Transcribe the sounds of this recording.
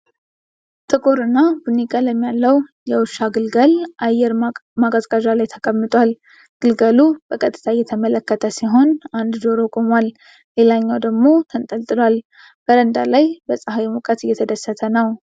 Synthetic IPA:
t̪ʰʼɨkʼoɾɨnːabunikʼaləmːijalːəwjɛwʊʃaɡɨlɡəlʔajɛɾmakʼazkʼaʒalajt̪ʰəkʼəmːɨt̪ʼwal | ɡ̥ɨlɡəlub̥əkʼət̪ʼːɨ̥t̪ʰajːɛt̪ʰəmələkːət̪ʰəsiɦo̞nand̪d̪oɾokʼomwal | le̞laɲːawd̪əɡmo̞t̪ʰənt̪ʼəlt̪ʼɨlwal | b̥əɾənd̪alajbəsʼaɦawimukʼət̪ɨjːɛt̪ʰəd̪əsːət̪ʰənəw

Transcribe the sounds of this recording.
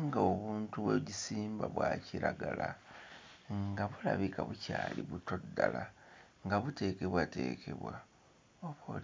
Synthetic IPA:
ŋɡaoβuːntuβweɟisiːmbaβwaːciɾaɡala | ŋɡaβulaβikaβucaːliβutodːalaŋɡaβute̞ːke̞βwate̞ːkʰe̞βwa | oβol

